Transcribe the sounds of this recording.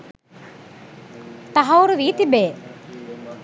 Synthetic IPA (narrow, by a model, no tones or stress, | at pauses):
t̪aɦɐwɾuʋiːt̪ibeː